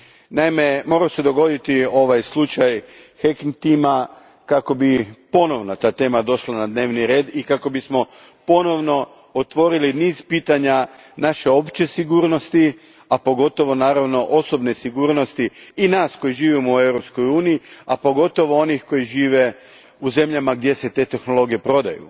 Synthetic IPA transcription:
najime̞mo̞ɾase̞d̪o̞ɡo̞d̪it̪io̞ʋajslˠut͡ʃaj | hekiŋt̪ima | kako̞bipo̞no̞ʋnat̪aːt̪e̞ːmad̪o̞ʃlanad̪ne̞ːʋniɾe̞ːd̪ikako̞bismo̞ | po̞no̞ʋno̞ | ot̪ʋo̞ɾiliniːz̥piːt̪aɲa | naʃe̞o̞pt͡ʃe̞siɡuːɾno̞st̪i | apo̞ɡo̞t̪o̞ʋo̞naːɾaʋno̞ʔo̞so̞bne̞siɡuːɾno̞st̪iinaːsko̞jiʒiːʋimoue̞wɾo̞psko̞juːnijiapo̞ɡo̞t̪o̞ʋoo̞nixko̞jiʒiːʋe̞ | uze̞mʎamaɡd̪je̞se̞t̪e̞ːt̪e̞xno̞lˠo̞ɡije̞pɾo̞d̪a̰jṵ

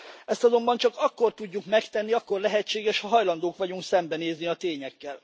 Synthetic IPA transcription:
ɛst̪ɒzo̞mbɒnt͡ʃɒkɒkːo̞rt̪uɟːukmɛkt̪ɛnːiɒkːo̞rlɛɦɛt͡ʃːeːɡɛʃhɒɦɒjlɒnd̪oːkʋɒɟuŋksɛmbɛneːzniɒt̪eːɲɛkːɛl

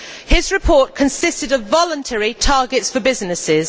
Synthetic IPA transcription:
hɪzɹɪpʰɔˑʔkʰə̃nsɪstɪdəvːɒlə̃ntʰɛɹitʰɑːɡɪtsfəbɪznɪsɪz̥

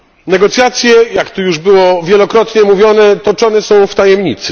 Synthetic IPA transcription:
nɛɡɔt̪sʲjat̪sʲjɛjakt̪ujuʐbɘwɔvʲjɛlɔkɾɔt̪ɲɛmuvʲjɔnɛt̪ɔt͡ʂɔnɛsɔ̃w̃ft̪ajɛmɲit̪sɘ

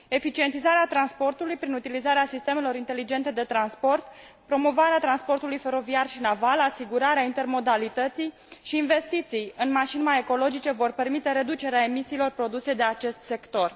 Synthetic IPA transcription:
e̞fit͡ʃie̞nt̪izaɾeat̪ɾanspo̞rt̪ulujpɾinut̪ilizaɾeasist̪e̞melo̞ɾint̪e̞lid͡ʒe̞nt̪e̞d̪e̞t̪ɾanspo̞rt̪ | pɾo̞mo̞vaɾeat̪ɾanspo̞rt̪ulujfe̞ɾo̞viarʃinavalasiɡuɾaɾeaint̪e̞rmo̞d̪alit̪ət̪sij | ʃiːnve̞st̪it̪sijɨnmaʃinmaje̞ko̞lo̞d͡ʒit͡ʃe̞vo̞rpe̞rmit̪e̞ɾe̞d̪ut͡ʃe̞ɾeae̞misiːlo̞rpɾo̞d̪use̞d̪e̞at͡ʃe̞st̪se̞kt̪o̞r

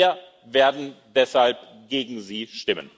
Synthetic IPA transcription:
ɐ | veːɐdn̩d̥ɛshalp | ɡ̥eːɡŋ̩ziːʃtɪmə̰n

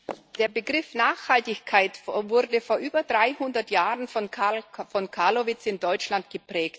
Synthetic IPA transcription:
d̥eːɐbəɡʁɪfnaːxhaltɪçkʰaɪtvʊʁdəfoːɐʔyːbɐdʁaɪhʊndɐtjaːʁənfɔfɔnkʰaɐlovɪt͡sɪndɔʏt͡ʃlantɡ̥əpʁ̥ɛːkt

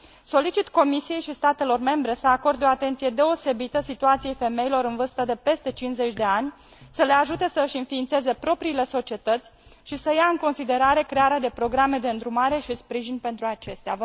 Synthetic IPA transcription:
so̞lit͡ʃit̪ko̞misije̞jʃist̪at̪e̞lo̞rme̞mbɾe̞səako̞rd̪o̞at̪e̞nsije̞d̪eose̞bit̪əsit̪uat̪sije̞jfe̞me̞ilo̞ɾɨnvɨrst̪əd̪e̞pe̞st̪e̞t͡ʃinsze̞t͡ʃʲd̪e̞anʲ | səle̞aʒut̪e̞səɨʃɨnfiːnt̪se̞ze̞pɾo̞pɾiːle̞so̞t͡ʃie̞t̪ət̪sʲʃisəjaɨŋko̞nsid̪e̞ɾaɾe̞kɾe̞aɾead̪e̞pɾo̞ɡɾame̞d̪e̞ɨnd̪ɾumaɾe̞ʃispɾiʒinʲpe̞nt̪ɾuat͡ʃe̞st̪eav

